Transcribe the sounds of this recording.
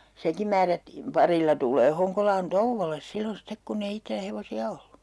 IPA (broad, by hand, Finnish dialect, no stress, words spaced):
seŋkim̆ mæːrætːiːm pɑrilːɑ tulˑeː hoŋkolɑːn touʋːoles silːon̞ stek kunː ei itːelæ heʋosiɑ olːu